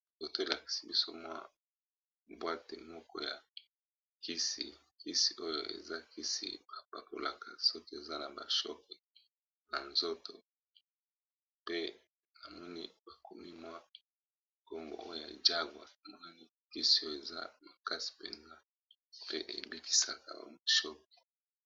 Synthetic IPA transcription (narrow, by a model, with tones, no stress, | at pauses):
ko˨to˦e˨la˨ki̥˨si˨bi˦so̰˦mwa̰˦ | bwa˦te˨mɔ˦kɔ̰˦ja˨ | ki˦sḭ˨ | ki˦si˨ʔo˦jo˨ʔḛ˨za˦ki˦sḭ˨ba˨pa˨ko̰˨la˨ka̰˨sɔ˦ke˦e˨za˦na˨ba̰˨ʃɔ˦kɛ˨ | na̰˨nzo˦to˨ | pe˦ | na˨mɔ˦ni˦ba˨ko˨mi˦mwa˦ | ko˦ŋɡo̰˨ʔo˦jo˦˨ja̰˨d͡ʒa˦ɡwa˨a˨mɔ˦na˦ni˦ | ki˦si˨o˦jo˦˨e˨za̰˦ma˨ka˦si̥˨pḛ˨nza˦ | pe˦ʔḛ˨bi˦ki̥˦sa˨ka̰˨a̰˨mo˨ʃɔ˦k̚ɛ̥˨